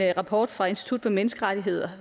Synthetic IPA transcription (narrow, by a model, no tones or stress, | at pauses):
ʁɑ̈pʰɒ̰ːd̥fʁɑ̈e̝nsd̥i̥t͡sʰud̥fɒ̽menəsɡ̥əʁḁiɦe̝ð̞̰ˠɐ